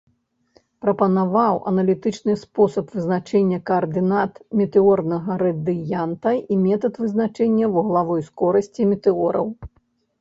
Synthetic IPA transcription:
pɾɐpɐnavawɐ̰nɐlʲit̪ɨt͡ʂnɨspɔsɐpvɨznat͡ʂɛnʲːɐkɐːrd̪ɨnat̪mʲɛt̪ɛɔrnɐɣɐɾɐd̪ɨjant̪ɐimʲɛt̪ɐt̪vɨznat͡ʂɛnʲːɐwuɣlˠavɔjskɔɾɐsʲt͡sʲimʲɛt̪ɛɔɾɐ̰w

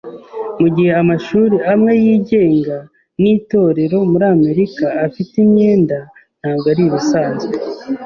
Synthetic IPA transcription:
muɟihe̞amaʃuːɾiamŋe̞jiːɟe̞ːŋɡa | niːto̞ːɾe̞ɾo̞muɾaːme̞ɾikaːfitimɲe̞ːndan̥haːɡaɾiɾusaːnze

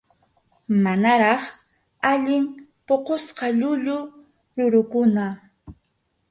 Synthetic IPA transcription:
manaɾɑχ | aʎɪmpoqosqɑʎʊʎʊ | ɾʊɾʊkʊna

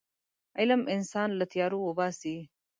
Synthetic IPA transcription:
ɪlɐmɪnsaːnlət̪jɑːɾuwobaːsi

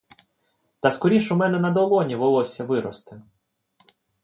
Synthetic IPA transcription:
t̪ɐskɔɾʲiʃʊmɛnɛnɐd̪ɔlˠɔnʲiʋɔlˠɔsʲɐʋɪɾɔst̪ɪ

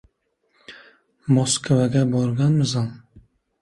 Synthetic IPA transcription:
moskʰvaɡʲabɒɾɡʲanmzan

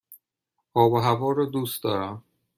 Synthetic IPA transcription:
ʔɒːboɦævɒːɾɒːd̪uːst̪̚d̪ɒːɾæm

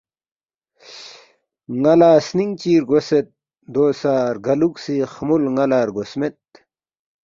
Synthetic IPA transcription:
ŋɐlaːsniŋt͡ɕiːɾɡoset̪̚ | d̪oːsaːɾɡɐluksixmulŋɐlaːɾɡosmet̪̚

